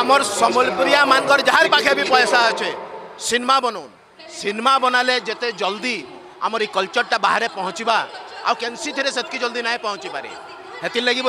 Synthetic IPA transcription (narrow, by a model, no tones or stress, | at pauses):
amɔɾsɔmɔlpɾijamanɡɔɾd͡ʒaɦaɾpakʰebipɔjɔsaɔt͡ʃʰesinmabɔnon | sinmabɔnaled͡ʒet̪ed͡ʒɔld̪i | a̰mɔɾekɔlt͡ʃɔɾʈabaɦaɾepɔɦɔ̃t͡ʃibaa̰wkensit̪ʰiɾeset̪̚ʰkid͡ʒɔld̪inaẽpɔɦɔ̃t͡ʃipa̰ɾḛ | ɦet̪ilːeɡib